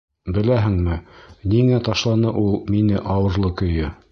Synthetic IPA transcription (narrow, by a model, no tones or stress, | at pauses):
bɘ̆læɦɘŋmɘniŋæt̪ɑʃlˠɑnɤʔulˠminɘʔɑwɤ̆ɾlˠɤkɵ̆jɵ